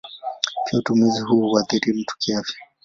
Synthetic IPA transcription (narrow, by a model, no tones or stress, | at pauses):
piautumiziɦuwaðiɾim̩tu̥kiafɛ̥